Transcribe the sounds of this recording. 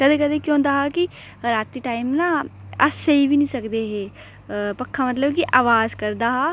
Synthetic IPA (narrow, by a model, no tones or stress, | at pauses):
kəd̪eːkəd̪eːkjõːnd̪aːɦɛːki | ɾaːt̪iːʈaːɪmnãːəsːeibinĩːsəkd̪eːɦeː | pəkʰːamət̪̬ləbkiʔaːʋaːzkəɾd̪aːɦaː